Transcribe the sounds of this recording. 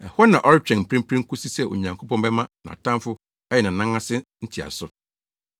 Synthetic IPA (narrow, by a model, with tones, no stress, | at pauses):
ɛ˨hɔ˦nã˨ʔɔ˦ɾɪ˦t͡ɕᶣɛ̃˨m̩˨pʰɾɪ̃˦m˦pʰɾɪ̃˦ŋ̩˦kʰʊ˦si˦sɛ˨ʔo̰˨ɲã˨ŋkʰo˦pɔ̃˦mbɛ˦mã˦nã̰˨tʰã˦mfʊ˦ | ɛ˦jɛ˨nã˨nã˦ŋã˦sɪ˦n̩˦tʰi˨a̰˨sʊ˦